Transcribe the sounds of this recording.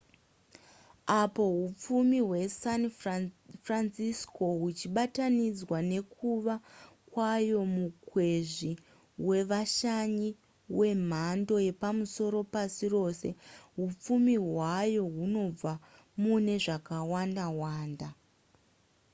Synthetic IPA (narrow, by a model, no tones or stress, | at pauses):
apo̞ɦup͡fumiɦwe̞san | fransisko̞ɦut͡ʃiɓatanid͡zwane̞kuʋakwajo̞mukwe̞ʐi | we̞ʋaʃaɲi | we̞m̤ando̞je̞pamuso̞ɾo̞pasiro̞ːse̞ɦup͡fumiɦwajo̞ɦuno̞b͡va | mune̞ʐakawandaɦwaːnda